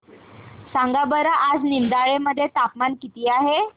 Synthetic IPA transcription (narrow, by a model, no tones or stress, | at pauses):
saŋɡabəɾəʔad͡znimd̪aɭeməd̪ʱːjet̪apmankit̪iːaɦe